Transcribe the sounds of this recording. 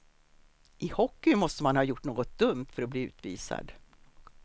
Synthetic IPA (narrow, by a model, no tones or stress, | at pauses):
ʔɪhɔkːʏmɔst̪əmanhɑːjʊʈːɳoːɡɔt̪̚d̪ɵmt̪fœɾɔbliːʉ̟ːt̪viːsa̰d̪